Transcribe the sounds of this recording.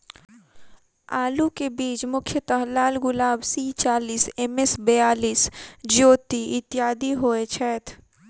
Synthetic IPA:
aːlukebiːt͡ʃmʊkʰjət̪ɐɦlaːlɡʊlaːbsiːt͡ʃaːliːsɛmɛsbejaːliːsd͡ʒoːt̪iɪt̪ɪjaːd̪iɦoːet͡ʃʰɛːt̪ʰ

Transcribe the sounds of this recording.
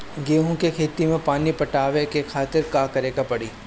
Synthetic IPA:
ɡeːɦõkekʰeːt̪imẽpaːnipɐʈaːʋekekʰaːt̪ɪɾkaːkɐɾeːɡapɐɽiː

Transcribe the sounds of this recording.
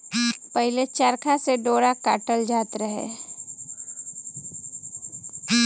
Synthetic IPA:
pəɦɪlet͡ʃaɾkʰaseɖoːɾaka̰ːʈəld͡ʒaːt̪ɾəɦḛː

